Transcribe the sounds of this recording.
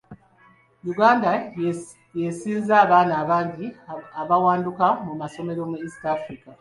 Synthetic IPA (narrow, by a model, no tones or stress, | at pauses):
luɡaːnda | jesiːzaːβaːnaːβaːɲɟiaβawaːndukamumaso̞me̞ɾo̞muisi̥taːfɾika